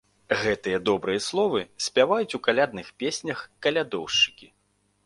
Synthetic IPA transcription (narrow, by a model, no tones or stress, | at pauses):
ɣɛt̪ɨjɐd̪ɔbɾɨjɐslˠɔvɨsʲpʲavajut͡sʲukalʲad̪nɨxpʲesʲnʲɐxkɐlʲad̪ɔwʂt͡ʂɨ̥kʲi